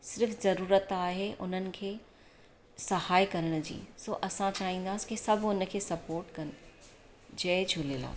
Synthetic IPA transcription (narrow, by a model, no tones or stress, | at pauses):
sɪɾfzɐɾuːɾət̪aːɦeʔʊ̰n̤ənɪ̆kʰeː | sɐhaːikɐɾəɽ̃ʊ̆d͡ʑḭːsoːʔɐsãt͡ɕaːɦĩːnd̪aːsɪ̥kisɐbʱʊn̆kʰeːsɐpoːɾʈkɐnɪ̆ | d͡ʑɐːd͡ʑʱʊleːla̰ː